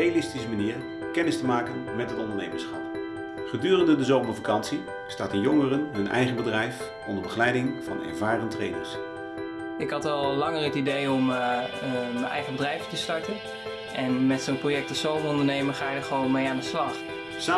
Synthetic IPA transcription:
ejalɪstisəmaniːɹ | kɛnɪstəmaːkənmɛtɦətɔndəɹnḛjməɹsχɑp | χədyːrəndədəzowməɹvakɑnsi | staːtənjoŋərənɦɵnʔɛ̰jχənbədrɛjf | ʔɔ̰ndəɹbəχəlɛjdɪŋfɑ̰nɛ̰ɹvaːrəntrejdə̰ɹs | ɪkɦɑtɛlˠlɑŋərətidejɔm | mənʔɛ̰jχənbədrɛjvətəstɑɹtən | ʔɛnmɛtsonprojɛk̚tɔsowmərɔndəɹnejməχaːjɪdəχəʋownmejaːndəslɑχ | sa

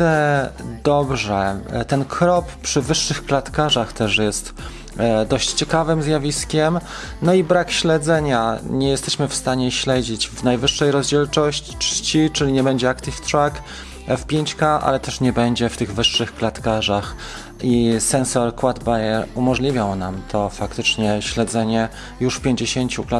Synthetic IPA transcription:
ɛd̪ɔbʐɛt̪ɛnkʰɾɔppʂɘvɘʂːɘxklat̪kaʐaxt̪ɛʂjɛst̪ | d̪ɔɕt͡ɕt͡ɕɛkavɘmzjavʲiskʲɛm | nɔibɾakɕlɛd̪zɛɲaɲɛjɛst̪ɛɕmɘfst̪aɲɛɕlɛd͡ʑid͡ʑvnajvɘʂːɛjɾɔzd͡ʑɛlt͡ʂɔɕt͡ɕi̥t͡ʂt͡ɕit͡ʂɘlʲiɲɛbɛɲd͡ʑɛakt̪ift̪ɾak | fpʲjeɲt͡ɕkaʔa̰lɛt̪ɛʂɲɛbɛɲd͡ʑɛft̪ɘɣvɘʂːɘxklat̪kaʐax | isɛnsɔɾkwad̪bajɛɾumɔʐlʲivʲjawnamt̪ʰɔfakt̪ɘt͡ʂɲɛɕlɛd̪zɛɲɛ | juʂfpʲjeɲd͡ʑeɕeɲt͡ɕukla

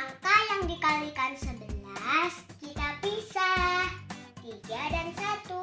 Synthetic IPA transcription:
ŋkajaŋdikalikansəbəlaskit̪apisaht̪iɡadansat̪u

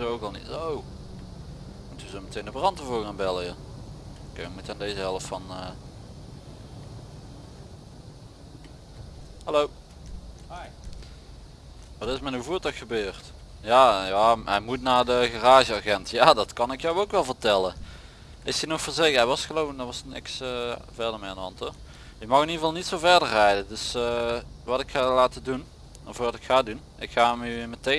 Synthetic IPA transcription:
owkɑlˠnḭtow | mutuzomətejndəbrɑntəvʊːɹɣaːnbɛləja | kejʋəmutəaːndejzəɦɛləftfɑnə | hɑlow | haj | ʋɑtɪsmɛnuvuːɹtɑkxəbøːrt | jaːjaːɦɛjmutnaːɹdəɣaraːʒəaɣɛntjaːdɑtkɑnɪkjœwowkʋɛlˠvəɹtɛlə | ɪsənɔxfəɹzeɛjʋɑsxəlowndʋɑsnɪ̰ksa̰vɛɹdəɹmejnɑ̰ntɔ | jəmɑxɪniɹvɑlˠnitsowvɛɹdəɹrɛjdədɵs | ʋɑtɪkxalaːtədun | fʊːɹʋɑtɪkxaːdun | ɪkxaːmyməte

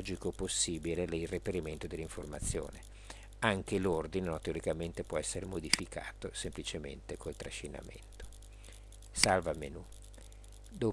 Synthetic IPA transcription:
d͡ʒikoposːiːbilelirepeɾiment̪od̪elːiɱformat̪sːjo̰ːne | aŋk̟elord̪inenot̪eoɾikament̪epwɔɛsːeɾemod̪ifika̰ːt̪osemplit͡ʃemḛnt̪ekolt̪ɾaʃina̰mḛnt̪o̥ | salvamḛnu | d̪o

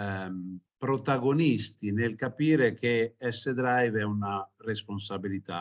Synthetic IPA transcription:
pɾot̪aɡonist̪inelkapiːɾekʰeɛsːed̪ɾajvɛunaresponsabilit̪a̰

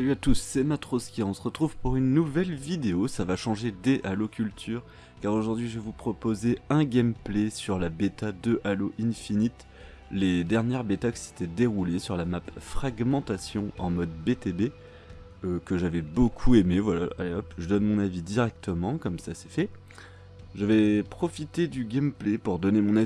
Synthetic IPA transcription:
salyat̪usːemat̪χoskʲeɔ̃səʁət̪χuvpuʁynːuvɛlvid̪eosavaʃɑ̃ʒed̪eʔalokʲylt̪ʰyʁ | kaʁoʒuʁd̪ɥiʒvevupχɔpozeɛ̃ɡʲɛmplesyʁlabet̪ad̪əʔaloʔĩnfinit̪ | led̪ɛʁnjɛʁbet̪akə̥se̥t̪ɛd̪eʁulesyʁlamapfχaɡmɑ̃t̪asjɔ̃ɑ̃mɔd̪bet̪ebe | økəʒavɛbokʰuemevwala̰a̰leɔpʒəd̪ɔnmɔ̃navid̪iʁɛk̚t̪əmɑ̃kɔmsasɛfɛ | ʒəvɛpχɔfit̪ed̪yɡʲamplepuʁd̪ɔnemɔ̃na

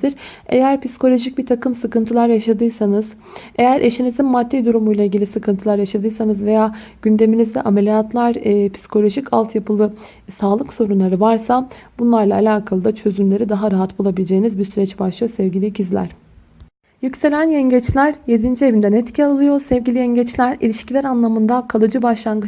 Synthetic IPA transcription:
d̪iɾ | e̞̰jæɾpisi̥kʰolʲo̞ʒic̚bit̪ʰakʰɯmsɯkɯnt̪ʰɯlˠaɾjaʃad̪ɯjsanɯz̥ | e̞jæɾʔe̞ʃinizinmad̪ːid̪uɾumujlˠaiːɟilʲisɯkʰɯnt̪ʰɯlˠaɾjaʃad̪ɯjsanɯzve̞jaːɟ̥ynd̪e̞minizd̪ɛ̰ʔamelʲijat̪ʰlˠaɾpʰi̥si̥kʰo̞lʲo̞ʒicʰa̰lˠt̪ʰjapʰɯlˠɯ | saːlˠɯkso̞ɾunlˠaɾɯvaɾsabunlˠaɾlˠaːlʲaːkʰalˠɯd̪at͡ʃʰø̞zymlʲe̞ɾid̪aɦaɾaɦat̪bulˠabilʲed͡ʒe̞jinizbisyɾɛt͡ʃbaʃlˠɯjosɛvɟilʲiɟizlʲæ̰ɾ̥ | jycse̞ɾʲænjɛɲɟɛt͡ʃlʲæɾje̞d̪ind͡ʒie̞vind̪ænɛt̪cʰialˠɯjo̞sɛvɟilʲiɛɲɟɛt͡ʃlʲæɾilʲiʃcilʲæɾanlˠamɯnd̪akʰalˠɯd͡ʒɯbaʃlˠaŋɡɯ

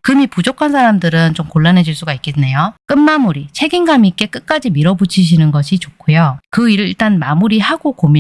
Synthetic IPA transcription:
kɯmipud͡ʑokʰansʰaɾamdɯɾɯnt͡ɕomkoɭːanɦe̞d͡ʑiɭs͈uɡaik͈enejok͈ɯnmamuɾit͡ɕʰe̞ɡinɡamik͈e̞k͈ɯk̚k͈ad͡ʑimiɾʌbut͡ɕʰiɕ̬ʰinɯnɡʌɕʰit͡ɕokʰujokɯiɾɯɭiɭt͈anmamuɾihaɡokomi

